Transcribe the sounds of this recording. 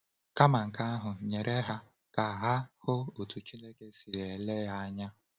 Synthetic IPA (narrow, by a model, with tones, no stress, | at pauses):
ka˦ma˨ŋ̩˨ka˦a˦ɦʊ˨ɲe˨ɾʔe˦ɦa˦ | ka˨ɦa˦hʊ˦o˨tu˨t͡ʃi˦le˦ke˦si˨ɾe˨le˦ja˦ɲa˦